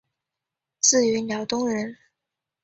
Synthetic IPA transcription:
t͡sɹ̩˥˩y˧˥njɑ˧˥ʊt̪ʊ˥ŋɻə˧˥n

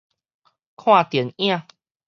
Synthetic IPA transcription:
kʰw̃ã˥˧˨t̪jɛ˨˦nj̃ã˥˧˨

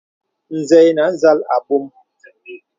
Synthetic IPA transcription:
n̩˨zɛ˨jna˨˦n˦za˦la̰˨pu˦m

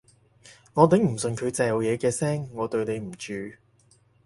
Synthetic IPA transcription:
ŋɔː˨˧t̪e˨˥ŋm̩˨˩sɵ˨nkʰɵ˨˧t͡sɛː˨˧lo˨wjɛː˨˧kɛː˧sɛː˥ŋːɔː˨˧t̪ɵ˧ɥne˨˧jm̩˨˩t͡ʃyː˨˧

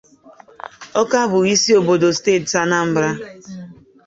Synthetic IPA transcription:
ɔ˦ka˦bʊ˨ɣi˦si˦o˨bo˨do˨steː˦˨tsa˦na˦m̩˦bɾa˦

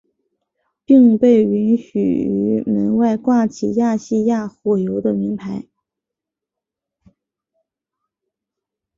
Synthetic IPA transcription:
pi˥˧ŋpe˥˩ɪy˧˥nɕy̰˨˩y˧˥mə˧˥nwa˥˧ɪkwa˥˩t͡ɕʰi˨˩ja˥˧ɕi˥˧ja˥˩xɔ˨˩jo˧˥ʊd̪ə˧mi˧˥ŋpʰa˧˥ɪ

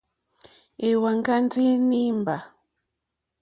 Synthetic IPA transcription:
e˨wa˨ŋka˦n˦ti˦ni˦mba˨

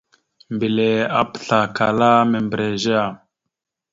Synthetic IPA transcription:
mbi˨le˨a˦pə̥˨ɬa˨ka˨la˦me˨mbɾe˨ʒe˦a˨

